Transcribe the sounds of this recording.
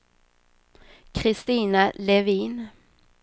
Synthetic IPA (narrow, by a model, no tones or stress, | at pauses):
kʰɾɪst̪iːnalɛviːn